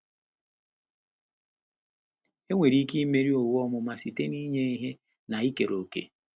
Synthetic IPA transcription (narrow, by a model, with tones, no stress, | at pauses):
e˦ŋʷe˨ɾi˦ki˦i˦me˦ɾi˦o˨wɔ˦mʊ˨ma˨si˨te˦ni˦ɲe˦i˦ɦe˦ | na˨i˦ke˨ɾo˨kḛ˨